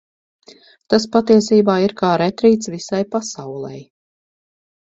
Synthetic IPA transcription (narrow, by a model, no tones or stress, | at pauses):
t̪aspat̪iɛsiːbaːiɾkaːɾɛt̪ɾiːt̪svisajpasawlˠɛ̰j